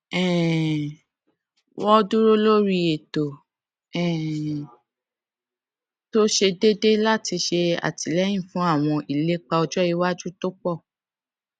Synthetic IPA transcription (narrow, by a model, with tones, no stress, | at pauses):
ɛ˨ | wɔ˦du˦ɾo˦lo˦ɾi˧e˨to˨ | ɛ̃˨ | to˦ʃe˧de˦de˦la˦˨ti˧ʃe˧a̰˨ti˨lɛ˦j̃ĩ˦˨fũ˨˦a˦˨w̃ɔ̃˧ʔi˨le˦k͡pa˧ɔ˧d͡ʒɔ˦i˧˦wa˦d͡ʒu˦to˦k͡pɔ˦˨